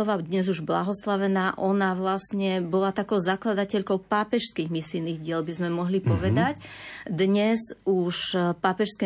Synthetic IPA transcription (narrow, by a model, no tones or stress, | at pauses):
ɔʋad̪ɲɛzuʒbla̰ɦɔslaʋɛnaːʔɔnaʋlasɲɛbɔlat̪akɔʊzaklad̪acɛʎkɔʊpaːpɛʃskiːɣmisijniːɣɟɪɛlbizmɛmɔɦlipɔʋɛd̪acd̪ɲɛzuʃpaːpɛʃskɛ